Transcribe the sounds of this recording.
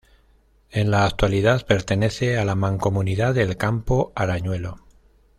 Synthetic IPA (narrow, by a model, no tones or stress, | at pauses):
e̞nlaːk̚t̪waliðaðpe̞ɾt̪e̞ne̞θe̞alamãŋko̞muniðaðe̞lkampo̞aɾaɲwe̞lo̞